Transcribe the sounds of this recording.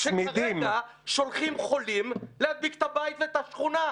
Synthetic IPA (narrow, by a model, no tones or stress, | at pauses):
ʃmid̪iima | ʃo̞lχimχo̞limlead̪̚bikt̪abajt̪let̪aʃχuna